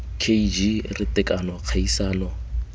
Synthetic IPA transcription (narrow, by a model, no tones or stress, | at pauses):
kʰeid͡ʒirɪtʼɪkʼanɔq͡χʰaisaːnɔ